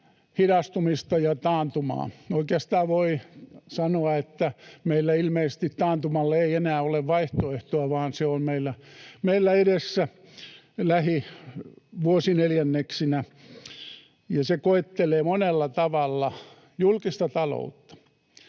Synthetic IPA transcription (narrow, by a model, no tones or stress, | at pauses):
hidɑst̪umist̪ɑjɑt̪ɑːnt̪umɑ̰ːoikeɑst̪ɑːʋoisɑnoɑet̪ːæmeilːæilmeise̥st̪it̪t̪ɑːnt̪umɑlːeeienæːoleʋʋɑiht̪oeht̪oɑʋɑːnseommeilːæmeilːæedesːæ | læhi | ʋuosineljænːeksinæ | jɑsekoet̪ːeleːmonelːɑt̪ɑʋɑlːɑ | julkist̪ɑt̪ɑlo̰ut̪ːɑ̥